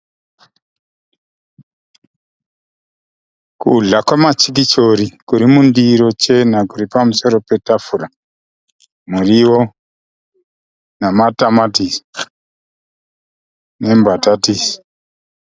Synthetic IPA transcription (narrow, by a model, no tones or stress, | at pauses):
kuɮakwamat͡ʃikit͡ʃoɾikuɾimundiɾot͡ʃenakuɾipamusɔɾɔpetafuɾa | muɾiwo | namatamatisi̥ | nembatatisi̥